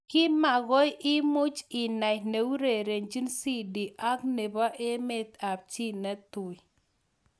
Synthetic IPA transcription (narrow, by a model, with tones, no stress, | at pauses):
kɪ˦ma˨ɣɔ˦jʔɪ˦mʊ˦t͡ʃɪ˨na˨ne˨u˦ɾe˨ɾe˨nd͡ʒi˦nsi˦di˨ʔa˦kne˨ba˦ʔe˦me˦t̪a˨p̚t͡ʃi˦nɛ˦tʊ˨j